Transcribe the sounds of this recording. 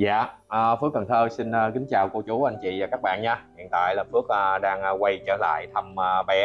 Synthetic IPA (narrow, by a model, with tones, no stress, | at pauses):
za̰ː˧˨ʔəː˨˩fɨ˦˥ək̚ːə˨˩nt̪ʰəː˧si˧nəː˧kï˨˦ŋ̟t͡ɕaː˨˩wko˧t͡ɕu˨˦ʔa˧jŋ̟t͡ɕḭ˧˨vaː˨˩kaː˦˥k̚ɓa̰ː˧˨nɲaː˧hḭ˧˨ənt̪a̰ː˧˨jlaː˨˩fɨ˦˥ək̚ə˧ɗaː˧ŋː˧˩kwa˧jt͡ɕə̰ː˧˩la̰ː˧˨jt̪ʰə˧məː˧ɓɛ˨˦